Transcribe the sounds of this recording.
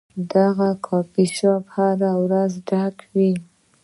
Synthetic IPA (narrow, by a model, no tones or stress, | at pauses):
d̪aɣakʰɑpiʃɑphaɾawɾazɖakwi